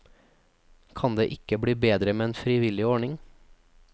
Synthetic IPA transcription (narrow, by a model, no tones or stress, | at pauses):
kʰɑnd̪ḛːʔɪkəbɽiːbeːd̪ɾəmeːeːnfɾɪʋɪlɪɔɳɪŋ